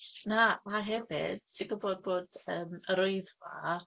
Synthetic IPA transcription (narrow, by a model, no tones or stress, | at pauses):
namaɦɛvɪ̰d̥̚sɪɡəboːd̚boːdəːməɾoɨðva̰